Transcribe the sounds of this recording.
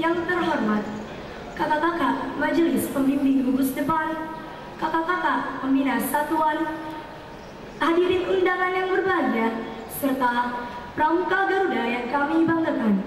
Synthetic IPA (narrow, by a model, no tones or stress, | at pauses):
jaŋt̪ərɦɔrmat̪̚ | kat̪akakaʔmad͡ʒəlɪspəmbimbɪŋɾubusdəpan | kakakakaʔpəminasat̪uan | hadiɾit̪indaŋanjaŋbərbaɲd͡ʒa | sərt̪apɾamukaɡaɾudajaŋkamibaŋt̪ək̪an